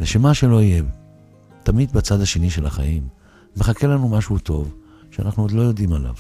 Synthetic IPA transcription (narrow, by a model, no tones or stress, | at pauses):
veʃemaʃelo̞ije | t̪amid̪bat͡sadhaʃe̞niʃelaχa̰jimː | eχake̞lanumaʃuut̪o̞v | ʃea̰naχnuod̪lo̞jo̞d̪imala̰v